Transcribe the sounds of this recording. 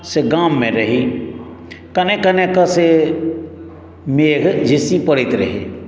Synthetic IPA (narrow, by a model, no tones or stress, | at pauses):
seɡaːmːẽɾɐɦi | kɐnẽkɐnekase | meːɡd͡ʒɪsipəɽɪt̪ɾɐ̰ɦḛ